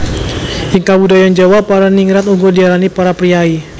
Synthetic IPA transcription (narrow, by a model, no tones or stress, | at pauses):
ʔɪŋkabudajand͡ʒawapːaɾaniŋɾat̪uŋɡɔdialanipaɾapɾiai